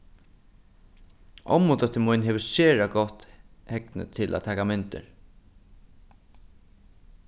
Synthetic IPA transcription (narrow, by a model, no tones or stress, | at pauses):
ɔ̰mʊt̪œt̪ːəmujnɦɛːʋəseːɹaɡɔht̪hɛknə̰t̪ʰɪlʔa̰t̪ʰɛːkamɪnt̪ɪ̰ɹ